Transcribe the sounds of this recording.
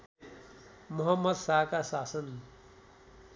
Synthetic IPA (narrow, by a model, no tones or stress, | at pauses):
mʊɦʌmːʌd̪saːkasaːsʌn